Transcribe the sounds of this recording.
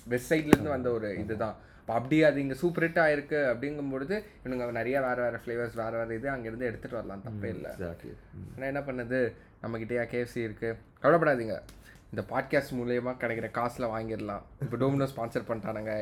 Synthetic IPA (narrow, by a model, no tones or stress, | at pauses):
ʋɛbsɐɪʈɪlɪɾnd̪ɯʋɐnd̪ɐɔɾɯɪðɯt̪ãː | ɐpːɐɐpːɐɽɪjaɐðɯɪŋɡɐsuːpɐɾeʈːaːɪɾɯkːɯɐpːɐɽɪŋɡɯmpoɻɯðɯɪɐnɯŋɡɐnɐɾɐjaːʋeːɾɐʋaːɾɐfleːʋɐɾsʋeːɾɐʋaːɾɐɪðɯɐŋɡɐɪɾɯnd̪ɯɛɽɯt̪ːɯʈːɯʋɐɾɐlãːt̪ɐpːɐɪlːɐ̰ | aːnːaːɛnːɐp̬ɐɳːɐðɯ | nɐmːɐkɪʈːɐjaːkeːʋsɛjɪɾɯkːɯ | kɐʋɪɽɐp̬ːɐɽaːðiːŋɡɐ̰ | ɪnd̪ɐpaːɖ̚kaːsʈmuːlɪjɐmaːkɐɽɛkːɪɾɐkaːsɪlɐʋaːŋɡɪɾɐlã̰ːɪp̬ːɐːɖoːmɪnoːspaːnsɐɾpɐɳaːnaːŋɡɐ